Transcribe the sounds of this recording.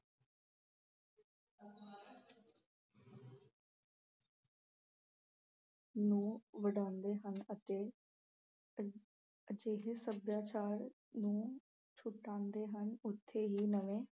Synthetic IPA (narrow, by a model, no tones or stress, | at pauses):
nũːʋəɖãːnd̪eːɦənət̪eː | d͡ʒeːɦesəbjaːt͡ʃaːɾ | nũː | t͡ʃʰʊʈːãːnd̪eːɦənʊt̪ʰːeːɦiːnəʋẽː